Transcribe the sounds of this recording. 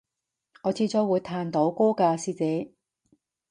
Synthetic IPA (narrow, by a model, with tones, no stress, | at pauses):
ŋɔː˨˧t͡sʰiː˧t͡sɔː˧˥wuː˨˧jt̪ʰaː˧nt̪o˨˥wkoː˥kaː˧siː˧t͡sɛː˨˥